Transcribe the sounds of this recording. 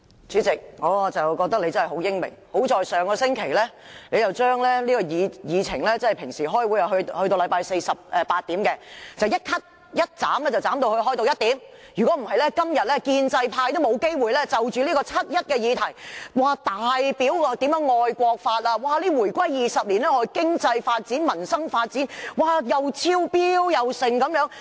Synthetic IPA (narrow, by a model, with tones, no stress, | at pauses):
t͡syː˨˥t͡sɪ˨k̚ŋɔː˨˧t͡sɐ˨wkɔː˧k̚t̪ɐ˥k̚le˧jt͡sɐ˥nɐ˨˩jɦo˨˥wjɪ˥ŋmɪ̰˨˩ŋho˨˥wt͡ʃɔː˨˧jsœː˨ŋkɔː˧sɪ˥ŋkʰe˨˩jlɛː˥le˨˧jɐ˨wt͡ʃœː˥ŋlɛː˥liː˥kɔ˧jiː˨˧jiː˨˧t͡sʰɪ̰˨˩ŋlɛː˥t͡sɐ˥ɐ˨jpʰɪ˨˩ŋsiː˨˩ɦɔː˥jwu˨˥jɐ˨˩ɦhɵ˧t̪o˧wlɐ˨˧jpaː˧jse˧jsɐ˨p̚ʔɛ˨˧paː˧t̚t̪iː˨˥mkɛ˧t͡sɐ˨wjɐ˥t̚kʰɐ˥t̚ | jɐ˥t̚t͡saː˨˥mlɛː˥t͡sɐ˨wt͡saː˨˥mt̪o˧whɵ˧ɥɦɔː˥jt̪o˧wjɐ˥t̚t̪iː˨˥mjy˨˩kɔ˨˥m̩˨˩hɐ˨jlɛː˥kɐ˥mjɐ˨t̚lɛː˥kiː˧nt͡sɐ˧jpʰaː˧jt̪o˥wmo˨˧wke˥jwuː˨˩jlɛː˥t͡sɐ˨wt͡ʃyː˨˧liː˥kɔː˧t͡sʰɐ˥t̚jɐ˥t̚kɛː˧jiː˨˧t̪ʰɐ˨˩jwaː˨t̪aː˨jpiː˨˥wːt̪i˨˥mjœː˨˥ŋːɔː˧jkʷɔː˧k̚faː˧t̚la˧waː˨˩liː˥wuː˨˩jkʷɐ˥jjiː˨sɐ˨p̚liː˨˩nlɛː˥ɔ˧˥˨kɪ˥ŋt͡sɐ˧jfaː˧t̚t͡siː˨˥nmɐ˨˩nsɐ˥ŋfaː˧t̚t͡siː˨˥nwaː˨˩jɐ˨wt͡sʰiː˥wpiː˥wjɐ˨wsɪ˨ŋkɐ˨˧˥mjœː˨˥ŋ